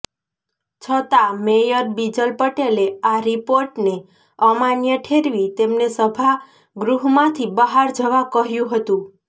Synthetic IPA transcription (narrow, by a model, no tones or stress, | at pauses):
t͡ʃʰət̪amejəɾbid͡ʒəlpəʈeleaɾipoɾʈne | əmanjəʈʰeɾʋit̪emnesəbʱa | ɡɾuɦmãt̪ʰibəɦaɾd͡ʒəʋakəɦjũɦət̪ũ